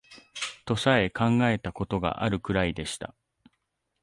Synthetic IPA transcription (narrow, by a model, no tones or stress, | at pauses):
t̪o̞sae̞kʰãŋɡae̞t̪ako̞t̪o̞ɡa̰ʔaɾɯ̟kɯ̟ɾaid̪e̞ɕi̥t̪a̰